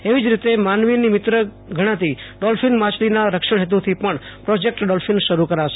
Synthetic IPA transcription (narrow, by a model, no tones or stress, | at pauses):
eʋid͡ʒɾit̪emanʋinimɪt̪ɾə | ɡʱəɽ̃ãt̪iɖɔlfʰinmat͡ʃlinaɾəkʃəɳ̃ɦet̪ut̪ʰipəɳpɾod͡ʒek̚ʈɖɔlfinʃəɾukəɾaʃe̥